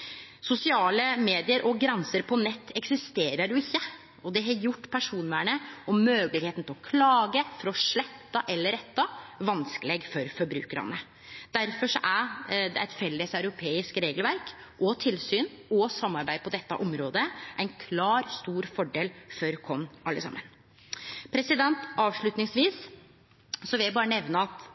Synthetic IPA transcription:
sʊsɪɑːləmeːd̪ɪəɾʔɔɡɾɛnsəɾpʰɔnɛt̪ːɛksɪst̪eːɾəɖʊɪçːə | ɔd̪ɛɦɑɾjʊʈːpʰæʂuːnmæɳəɔmmøːɡəlɪɡheːt̪n̩t̪ʰɪlɔkʰlɑːɡəfɔɾɔʂɭɛt̪ːɑʔɛlːəɾɛt̪ːɑʋɑnskəleːɡfɔɾfɔɾbɾʉ̰ːkəɾɑ̰nə | d̪̥æɾfɔʂɔʔæɾd̪ɛæɪt̪fɛlːəsɑʉɾʊpʰeːɪskɾeːɡlʋæɾk | ʔɔt̪ʰɪlsyːnɔsɑmːɑɾbæɪpʰɔd̪ɛt̪ːɑ̰ʔɔmɾoːd̪əʔæɪnkʰlɑːɾst̪uːɾfɔɖeːlfɔɾkʰɔnʔɑlːəsɑ̰mːən | pʰɾɛsɪd̪ɛnt̪ɑːʋʂɭʉt̪nɪŋsʋiːs | sɔʋɪljæbɑːɾənɛʋnəɑt̪

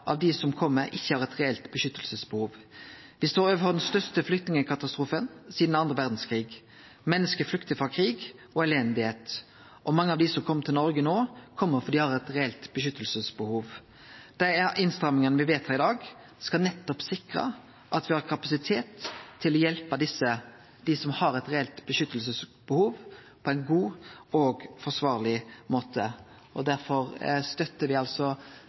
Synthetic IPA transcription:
ʔɑ̰ʋd̪ɪsɔmkʰɔmːəɾɪçːəhɑɾɛt̪ʁɛɛlt̪bəʃʏt̪ːəlsəsbəhuːʋ | ʋɪsd̪oːɾøːʋəfɔd̪ɛnst̪œʁst̪əflʏk̚t̪nɪŋəkʰɑt̪ɑst̪ɾuːfənsiːd̪nɑnd̪ʁəʋæʁd̪n̩skʰʁiːɡ | mɛnːəskəflʏkt̪əfʁɑkʰɾiːɡɔɛlɛnd̪ɪheːt̪ | ʔɔmɑŋːəɑʋd̪ɪsɔmkʰɔmːət̪ʰɪlnɔɾɡənoːkʰɔmːəɾfɔd̪ɪhɑʁɛt̪ʁɛɛlt̪bəʃʏt̪ːəlsəsbəhuːʋ | d̪̥æɪɪnst̪ɾɑmːɪŋənəʋɪʋeːt̪hɑɾɪd̪ɑːɡ | skɑnɛt̪ːɔpsɪkɾə̰ | ʔɑt̪ʋɪhɑɾkʰɑpɑsɪt̪ʰeːt̪ʰːɪlɔjɛlpəd̪ɪsːə | d̪̥ɪsɔmhɑɾɛt̪ɾɛɛlt̪bəʃʏt̪ːəlsəsbəhuːʋ | pʰɔæɪnɡuːoɡfɔʂʋɑːʁlɪmoːt̪ʰə | ʔɔd̪æɾfɔɾst̪œt̪ːəɾʋɪɑlsɔ

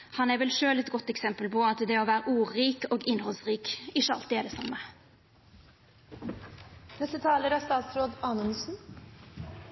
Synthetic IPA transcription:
hɑnæɾʋɛlʃøːlɛt̪ɡɔt̪ːɛksɛmpəlpʰɔɑt̪d̪ɛoʋæːɾəʔuːiːkoːɡɪnhɔlsɾiːkɪʃːəɑ̰lt̪ːɪɛɖɛsɑmːə | nɛst̪ət̪ʰɑːləɾæst̪ɑːt̪sɾoːd̪ɑːnənsn̩

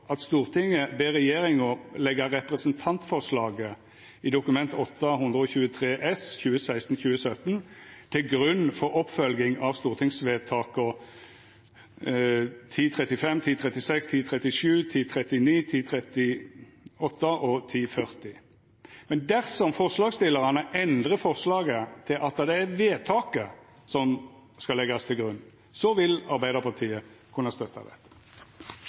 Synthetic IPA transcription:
ɑt̪st̪uːʁt̪ʰɪŋəbeːʁɛjeːʁɪŋʊlɛɡəɾɛpʁɛsənt̪ʰɑnt̪fɔʁʂlɑːɡə | id̪ʊkʉmɛnt̪ɔt̪ːəhʊnd̪ʁəɔːçʉːət̪ʰʁeːʔɛsçʉːəsæɪst̪n̩çʉːəsœt̪nt̪ʰɪlɡʁʉnːfɔʁɔpfœlɡɪŋɑʋst̪uːʁt̪ʰɪŋsʋeːt̪ʰɑːkɔ | t̪ʰiːt̪ʰʁɛt̪ɪfɛmt̪ʰiːt̪ʰʁɛt̪ɪsɛkst̪ʰiːt̪ʰʁɛt̪ɪʂʉːt̪ʰiːt̪ʰʁɛt̪ːɪniːt̪ʰiːt̪ʰʁɛt̪ɪ | ɔt̪ːəʔɔt̪ʰiːfœʁt̪ɪ | mɛnd̪æʁsɔmfɔʁslɑːɡst̪ɪlːəʁɑnəʔɛnd̪ʁəfɔʁslɑːɡət̪ʰɪlʔɑt̪̚d̪ɑd̪ɛæʋeːt̪ʰɑːkə | sɔm | skɑlɛɡɑst̪ʰɪlɡʁʉnː | sɔʋɪlɑʁɾbæɪd̪əʁpʰɑʁt̪ʰiːəkʰʉnːəst̪œt̪ːɑ̰d̪ɛ̰t̪ːə̥

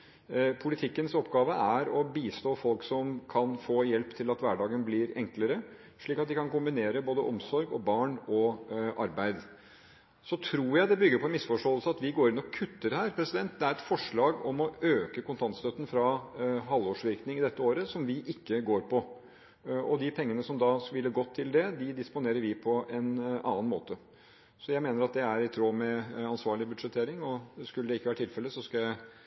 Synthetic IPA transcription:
pʰʊlɪt̪ʰɪkːənsɔpːɡɑːʋəʔæɾɔbiːst̪oːfɔlksɔmkʰɑnfoːjɛlpt̪ʰɪlɑt̪ʋæɖɑːɡənblɪɾɛŋkləɾə | ʂɭiːkɑt̪̚d̪ɪkɑnkʊmbɪneːɾəboːd̪əʔɔmsɔɾɡɔ̰bɑːɳɔʔɑɾbæɪd̪ | sɔt̪ʰɾuːjæɪd̪ɛbʏɡːəɾpʰɔɛnmɪsfɔʂʈoːəlsəɑt̪ʋɪɡoːɾɪnɔkʰʉt̪ːəɾhæːɾpʰɾɛsɪd̪ɛnt̪̚d̪ɛæɾɛt̪fɔʂɭɑːɡɔmɔøːkəkʊnt̪ʰɑnt̪st̪œt̪ːən̩fɾɑɦɑlːoːʂʋɪɾknɪŋɪd̪ɛt̪ːəoːɾəsɔmʋɪʔɪkːəɡoːɾpɔ | ɔd̪ɪpʰɛŋːənəsɔmd̪ɑʋɪlːəɾɡɔt̪ʰːɪld̪ɛd̪ɪd̪ɪspʊneːɾəɾʋɪpʰɔɛnɑ̰ːənmo̰ːt̪ə | sɔjæɪmeːnəɾɑt̪̚d̪ɛæɾɪt̪ʰɾoːmɛɑnsʋɑːɭɪbʉd̪ʂɛt̪ʰːeːɾɪŋɔskʉləd̪ɛɪkːʋæːɾəʈ̪ʰɪlfɛlːəsɔskɑjæɪ

